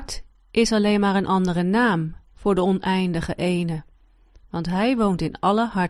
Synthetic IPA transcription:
t | ʔɪsɑlejnmaːɹənʔɑndərənaːmv̥ʊːɹdəɔnʔɛjndəχəʔejnə | ʋɑntɦɛjʋowntɪnɑləɦɑ

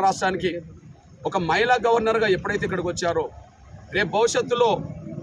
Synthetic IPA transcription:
ɾaːʂʈaːniki | ɔkɐmɐjlaːɡɐʋɐɾnɐɾɡaːɛpːuɽɐjt̪eːkːɐɽɐk̬ʋɐt͡ʃːaːɾo | ɾe̞ːp̚bʱɐʋuʂjɐt̪ːulo̞ː

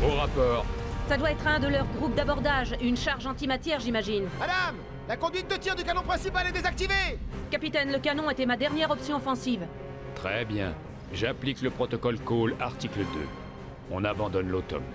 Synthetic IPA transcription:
oʁapɔːʁsad̪waɛt̪χɛ̃d̪əlœʁɡʁupd̪abɔʁd̪aʒeynʃaʁʒɑ̃t̪imat̪jɛʁʒimaʒinmad̪am | lakɔ̃d̪ɥit̪̚d̪ət̪iʁd̪ykanɔ̃pχɛ̃sipaled̪ezak̚t̪ivekapit̪ɛnləkanɔ̃et̪ɛmad̪ɛʁnjɛʁɔpsjɔ̃ɔfɑ̃siv | t̪χɛbjɛ̰̃ | ʒaplikləpχɔt̪ɔkɔlkolaʁt̪ikləd̪ø̰ | ɔ̃nabɑ̃d̪ɔnlot̪ɔ̰m

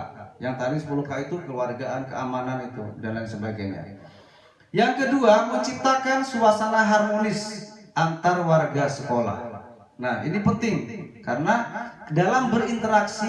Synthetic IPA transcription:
jaŋt̪adisə̥pulukait̪ukəwarɡaʔankə̰a̰mananit̪ṵdandansəbaɡajɲa̰ | jaŋkəduaməɲt͡ʃip̚t̪akansuasanaɦarmonɪsʔant̪arwarɡasəkola̰h | nahḭnipənt̪ɪŋkaɾənadalambərint̪əɾaksi

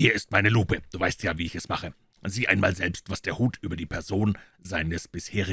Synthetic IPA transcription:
hiːɐɪst̚maɪnəluːpəd̥uːvaɪstjaːviːɪçɛsmaχə | z̥iːʔaɪnmaːlzɛlpstv̥asd̥eːɐhuːtʰʔyːbɐdiːpʰɛɐzoːn | zaɪnəsb̥ɪsheːʁɪ

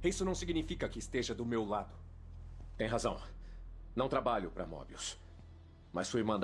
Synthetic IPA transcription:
isʊnɐ̃w̃siɡnifikɐkɪːst̪eʒɐd̪ʊmewlad̪ʊ | t̪ẽj̃ɦazɐ̃w̃nɐ̃w̃t̪ɾabaʎʊpɾɐ̰mɔ̰biʊ̰s | mɐsfuimɐ̃nd̪

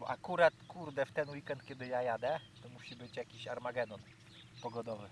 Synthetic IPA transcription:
bɔʔakuɾat̪kuɾd̪ɛft̪ɛnwikɛnt̪̚kʲɛd̪ɘjajad̪ɛt̪ɔmuɕibɘt͡ɕjakʲiɕaɾmaɡɛnɔn | pɔɡɔd̪ɔvɘ

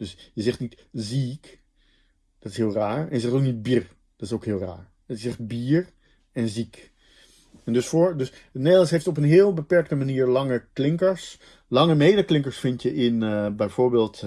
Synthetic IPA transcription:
d̥øsjəzɛχtnitzik | d̥ɑtɪsɦɪːlˠraːɹɛ̰njəzɛχtowknid̚biːɹ | d̥ɑtɪsowkɦɪːlˠra̰ːɹ | ətɪszɛχt̚biːɹ | ɛnzik | ɛndɵsfʊːɹdøs | əneːlˠsɦejftɔp̬ənɦɪːlˠbəpɛɹk̚təmaniːɹlɑŋəklɪŋkəɹs | lɑŋəmejdəklɪŋkəɹsfɪntjəʔɪnbɛjvʊːɹbeːlˠt

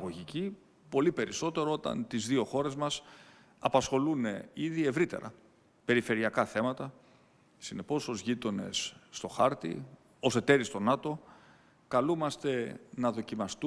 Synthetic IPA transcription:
ɣoʝici | po̞lipe̞ɾiso̞t̪e̞ɾo̞o̞t̪ɐ̰nt̪izðio̞xo̞ɾe̞zmɐs | ɐpɐsxo̞lune̞iðie̞vɾit̪e̞̰ɾɐ̰ | pe̞ɾife̞ɾiɐkɐθe̞mɐt̪ɐ | sine̞po̞so̞zʝit̪o̞ne̞̰sːt̪o̞xɐɾt̪ḭ | o̞se̞t̪e̞ɾist̪o̞nɐt̪o̞ | kɐlumɐst̪e̞nɐðo̞cimɐst̪u

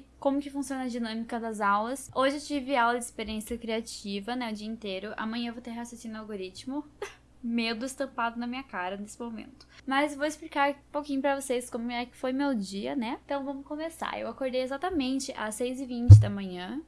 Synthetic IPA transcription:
kõmʊkɪfũsiõnɐd͡ʒinɐ̃mikɐd̪ɐzawlɐsoʒɪewt͡ʃivɪawlɐd͡ʒɪspeɾiẽsjɐkɾiat͡ʃivɐnɛʊd͡ʒiɐĩnt̪ejɾʊʔɐ̰mɐ̃ɲ̃ɐ̃vot̪eɾhasɐt͡ʃĩnʊawɡoɾit͡ʃmʊ | med̪ʊɪst̪ɐ̃mpad̪ʊnɐmĩɲɐkaɾɐnesɪmomḛ̃nt̪ʊmɐzvowɪsplikaɾũpokĩɲʊpɾɐvoseskõmʊɛkɪ̥fojmewd͡ʒiɐ̰nɛt̪ɐ̃w̃vɐ̃mʊkõmesa̰ɾḛwakoɾd̪ejezat̪ɐmẽnt͡ʃɪʔɐ̰sːejzɪvĩnt͡ʃɪd̪ɐmɐ̃ɲɐ̃

